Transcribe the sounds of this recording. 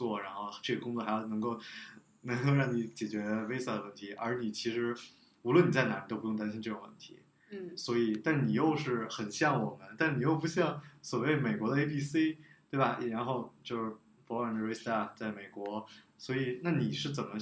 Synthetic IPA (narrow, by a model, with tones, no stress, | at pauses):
t͡swɔ˥˩ɻa˧˥nxo˥˧ʊʈ͡ʂɤ˥˩ɛ˨˩kʊ˥ŋt͡swɔ˥˩xa˧˥ɪjo˥˩ʊn˧˥ŋko˥˩ʊ | nɤ˧˥ŋko˥˧ʊɻɑ˥˩ŋni˧˥t͡ɕjɛ˨˩t͡ɕɥɛ˧˥ə˧we˥ɪsa˥˩d̪ə˩wə˥˩nt̪ʰi˧˥ʔə˞˧˥ni˨˩t͡ɕʰi˧˥ʂɻ̩˧˥ | u˧˥lwə˥˧ni˨˩t͡sa˥˩ɪna˧˥i˨˩t̪o˥ʊpu˧jʊ˥˩t̪a˥ɕi˥nʈ͡ʂɤ˥˩ʈ͡ʂʊ˨˩ŋwə̰˥˩nt̪ʰḭ˧˥ | swɔ˧˥i˨˩t̪a˥˩nni˨˩jo˥˧ʊʂɻ̩˥˩xə˨˩nɕjɑ˥˩ŋwɔ˨˩mə˦nt̪a˥˩ʂni˨˩jo˥˩ʊp̬u˧˥ɕjɑ˥˩ŋswɔ˨˩we˥˩ɪme˨˩kwɔ˧˥d̪ə˧e˥ɪpʰi˥˩si˥t̪we˥˩bɐ˩ɻa˧˥nxo˥˧ʊt͡ɕjo˥˧ʊʂɻ̩˥˩ | fɔ˧˥a˨˩d̪ə˧ɛ˥st̪a˥˩ft͡sa˥˩ɪme˨˩ɪkwɔ˧˥swɔ˧˥i˨˩˦na˥˩ni˨˩ʂɻ̩˥˩t͡sə˨˩nmə˦